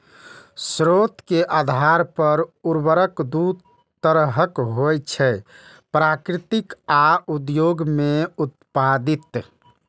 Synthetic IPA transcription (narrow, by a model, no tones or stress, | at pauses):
sɾot̪keʔad̪ʱaɾpəɾuɾbəɾəkd̪ud̪ | t̪əɾɦəkɦojt͡ʃʰɛ | pɾakɾit̪ikaud̪joɡmeut̪̚pad̪it̪